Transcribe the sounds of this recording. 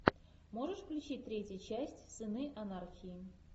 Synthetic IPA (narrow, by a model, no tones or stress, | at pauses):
moʐəʂklʲut͡ɕit̚ʲt̪ɾʲetʲjət͡ɕæsʲtʲsɨnɨʔɐnarxʲiji